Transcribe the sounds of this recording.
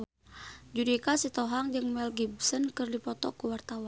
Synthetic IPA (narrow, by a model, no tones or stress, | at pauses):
d͡ʒudikasit̪ɔɦaŋd͡ʒɨŋmɛlɡibsənkɨrdipɔt̪ɔ̰kuwart̪awa